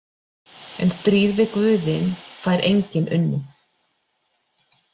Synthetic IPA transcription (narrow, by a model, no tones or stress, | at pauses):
ɛ̰nst̪ɾiːðvɪkvʏːðɪnfaːjɾʔejɲcɪnʔʏnːʏθ